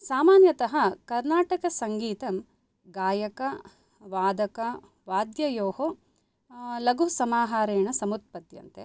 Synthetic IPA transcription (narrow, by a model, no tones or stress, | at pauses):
saːmaːnjɐt̪ɐɦɐkɐɾnaːʈɐkɐsɐŋɡiːt̪ɐm | ɡaːjɐkɐ | ʋaːd̪ɐkɐ | ʋaːd̪jɐjoːho | lɐɡusɐmaːɦaːɾeːɳɐsɐmut̪̚pɐt̪jɐ̰nt̪e